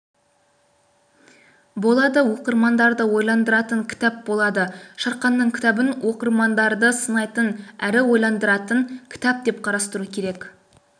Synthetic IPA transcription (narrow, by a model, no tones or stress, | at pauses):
bo̞lˠɑd̪əwo̞qəɾmɑnd̪ɑɾd̪əwo̞jlˠɑnd̪əɾɑt̪əŋkʲʰɪ̥t̪æp̚bo̞lˠɑd̪əʃɑɾqɑnːəɴkʲʰɪ̥t̪æbɪnwʔo̞qəɾmɑnd̪ɑɾd̪əsənɑjt̪ənæɾɪwo̞jlˠɑnd̪əɾɑt̪əŋkʲʰɪ̥t̪æp̚d̪e̞p̚qʰɑɾɑst̪əɾukʲʰe̞ɾe̞k